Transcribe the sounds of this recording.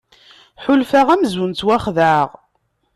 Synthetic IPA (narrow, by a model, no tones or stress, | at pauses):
ħʊlfaʁæmzunt̪wæχðaʁ